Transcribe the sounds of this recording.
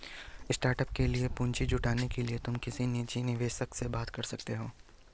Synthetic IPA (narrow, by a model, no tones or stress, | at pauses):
ɪsʈaːɾʈəp̚keliepʊ̃ːɲt͡ʃid͡ʒʱʊʈaːnekeliet̪ʊmkɪsinit͡ʃinɪʋeːʃəksebaːt̪kɐɾsɐk̚t̪eɦoː